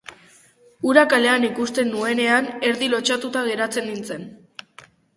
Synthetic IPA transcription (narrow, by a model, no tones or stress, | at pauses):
uɾakale̞anikust̪e̞nːue̞ne̞ane̞ɾðilo̞t͡ʃat̪ut̪aɣ̞e̞ɾat͡se̞nːint͡se̞n